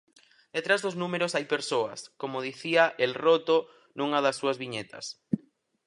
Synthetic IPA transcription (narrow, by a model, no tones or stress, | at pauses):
d̪̥et̪ɾazðoznũmeɾosajpeɾsoa̰skomoð̞iθiaʔelrot̪o | nũŋaðɐsːuɐzβiɲet̪ɐ̰s